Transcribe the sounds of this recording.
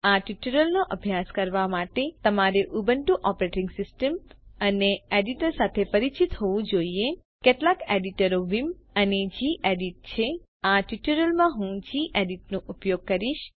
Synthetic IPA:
aʈiʈəɾəlnoʔəbʱjaskəɾʋamaʈet̪əmaɾeʔubəɳʈuʔɔpɾeʈɪŋɡsɪsʈəməneeɖiʈəɾsat̪ʰepəɾit͡ʃit̪ɦoʋũd͡ʒoie | keʈlakeɖiʈəɾoʋiməned͡ʒiʔeɖiʈ̚t͡ʃʰe | aʈiʈəɾəlmãɦũd͡ʒiʔeɖiʈnõʔupjoɡ̚kəɾiʃ

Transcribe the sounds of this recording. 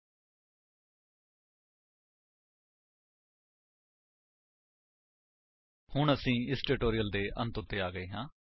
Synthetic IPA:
hʊɳəsĩːɪsʈɪʈoːɾijəld̪eːʔə̰̃nt̪ʊt̪ːeːaːɡəeːɦãː

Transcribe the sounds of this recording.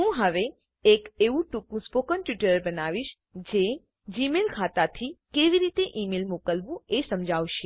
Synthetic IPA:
ɦũɦəʋe | ekeʋũʈũkũspokənʈjiʈəəɾbənaʋiʃ | d͡ʒe | d͡ʒimelkʰat̪at̪ʰikeʋiɾit̪eʔimelmokəlʋũesəmd͡ʒʱawʃe

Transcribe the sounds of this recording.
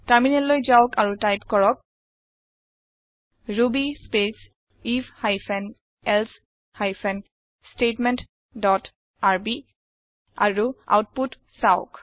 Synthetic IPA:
taɹminɛllojzaʊkaɹutajpkɔɹɔk̚ | ɹubispes | ifhajfʰɛn | ɛls | hajpʰɛn | stetmɛnt | dɔt | aɹbi | a̰ɹua̰wt̚put | saʊk

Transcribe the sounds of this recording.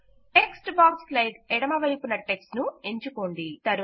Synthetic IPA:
eksʈbaːksplɐjʈɛɽɐmɐʋɐjpunɐʈeksnueɲt͡ʃuko̞ːɳɖit̪ɐɾu

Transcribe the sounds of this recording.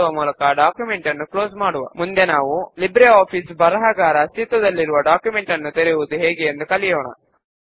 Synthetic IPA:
uʋɐmuːlɐkɐɖaːkjume̞ɳʈɐnːuklo̞ːsmaːɽuʋɐ̰mund̪e̞naːʋulibɾeaːpʰisbɐɾɐɦaːɡaːɾɐst̪it̪ʋɐd̪ɐlːiɾuʋɐɖaːkjume̞ɳʈɐnːut̪eɾeʋud̪uɦeːɡeːnd̪ukɐlijɔːɳɐ̰

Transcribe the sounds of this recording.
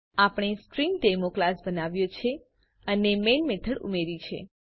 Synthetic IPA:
apɳ̃iskɾiŋɡʈemoklasbənaʋjot͡ʃʰe | ənemenmet̪ʰəɽṵmeɾit͡ʃʰḛ

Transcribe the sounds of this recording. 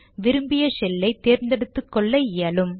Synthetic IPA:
ʋɪɾɯmbɪjɐsɛlːɐɪt̪ːeːɾnd̪ɛɽɯt̪ːɯkːɔɭːɐjɪɐlɯm

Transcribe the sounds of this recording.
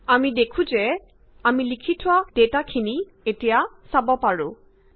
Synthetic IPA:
amidekʰũzɛ | amilikʰitʰʊwad̥etakʰini | etija | sabɔpaɹʊ̰̃

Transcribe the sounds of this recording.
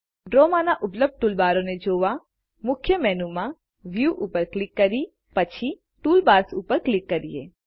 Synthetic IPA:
ɖɾoːmanaʔʊpləb̚ɖ̚ʈulbaːɾõned͡ʒoːʋa | mʊkʰjəmɛːnumã | ʋjuːʔuːpəɾklɪkːɐɾi | pɐt͡ʃʰi | ʈuːlbaːsuːpəɾklɪkːɐɾiḛː

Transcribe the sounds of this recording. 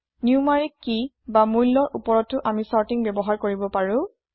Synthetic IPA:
niuʊmaɹikːi | bamujlːɔɹʔupɔɹɔtʊʔamisaɹtiŋbɛbɔɦaɹkoɹibɔpaɹʊ̃

